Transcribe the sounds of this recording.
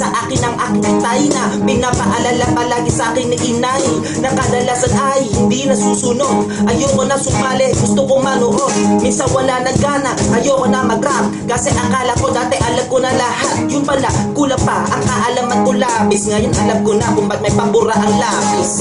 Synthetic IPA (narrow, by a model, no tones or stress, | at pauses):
sɐʔaːkɪnɐŋʔakɛt̪ajnɐ | pɪnaːpɐʔɐlalapɐlaːɡɪsɐʔaːkɪnɪʔɪnaj | nɐkɐd̪ɐlasɐnʔajhɪnd̪inɐsuːsunoɡʔɐjoːkonɐsʊmaːlɛɡʊst̪okomɐnoʔominsɐnwɐlanɐɡaːnɐkʔɐjoːkonɐmɐɡɾap | kɐsɛʔɐkalɐkod̪aːt̪ɛʔɐlam̚konɐlɐhat̪̚jʊnpɐlakulɐpaʔɐŋkaʔɐlaːmɐnkolaːpɪsŋɐjonʔɐ̰lam̚konɐkʊmbɐt̪̚mɐjpɐbʊɾaʔɐŋlaːpɪs